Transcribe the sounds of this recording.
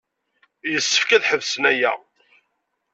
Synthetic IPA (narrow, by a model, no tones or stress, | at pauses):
jəsːə̥fkæðħəvsənæjæ̰